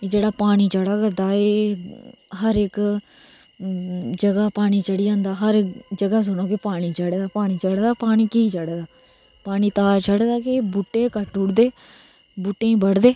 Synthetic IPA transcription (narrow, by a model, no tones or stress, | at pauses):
ed͡ʒeːɽaːpaːniːt͡ʃəɽaːkəɾd̪aːe | ɦəɾɪk | d͡ʒəɡaːpaːɽ̃iːt͡ʃəɽiːd͡ʒãːnd̪aːɦəɾɪkd͡ʒəɡaːs̬ʊnõːkepaːɽ̃iːt͡ʃəɽeːd̪aːpaːñiːt͡ʃəɽd̪aːpaːniːkiːt͡ʃəɽd̪aː | paːniːt̪aːt͡ʃʰəɽeːd̪aːkebʊʈːeːkəʈːʊɽd̪eː | bʊʈːẽːbəɽd̪eː